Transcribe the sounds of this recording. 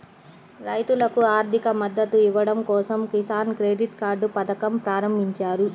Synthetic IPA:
ɾɐjt̪ulɐkuaːɾd̪ʱikɐmɐd̪ːɐt̪uiʋɐɽɐmkɔːsɐmkisaːnkɾeːɖiʈkaːɾɖupɐt̪ɐkɐmpɾaːɾɐmbʱiɲt͡ʃaːɾu

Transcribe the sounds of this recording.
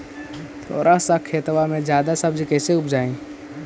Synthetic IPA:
t̪ʰo̰ːɾʔasəkʰet̪ʋamẽd͡ʒjaːd̪asəbd͡ʒkɛɦseʊpd͡ʒaːĩ

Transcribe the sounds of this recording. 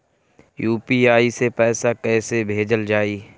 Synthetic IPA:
juːpiaːisepɛːsakɛːsebʱeːd͡ʒəld͡ʒaːiː

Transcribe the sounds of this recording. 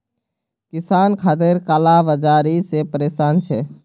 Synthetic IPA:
kisankʰaːt̪̬eɾkaːlaʋəd͡ʒaːɾisepəɾeːsaːnt͡ʃʰɛ

